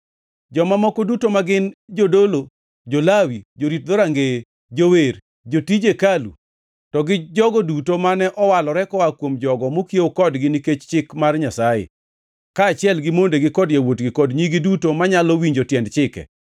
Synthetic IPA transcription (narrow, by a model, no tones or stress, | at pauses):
d͡ʒɔmamɔkɔdutomaɡɪnd͡ʒodolo | d͡ʒolawid͡ʒoɾit̚d̪oɾaŋɡe | d͡ʒower | d͡ʒotid͡ʒekalṵ | tɔɡɪd͡ʒɔɡɔdutomanɛʔɔwalɔɾɛkɔwakwomd͡ʒɔɡɔmokjeokɔdɡɪniket͡ʃt͡ʃɪkmarɲasajḛ | kaːt͡ʃɪɛlɡɪmondeɡɪkɔdjawotɡɪkɔdɲiɡidutomaɲalɔwiɲd͡ʒotjɛndt͡ʃɪkɛ̰